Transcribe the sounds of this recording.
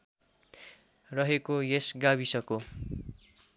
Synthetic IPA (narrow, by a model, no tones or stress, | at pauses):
rʌɦekojesɡaβisʌko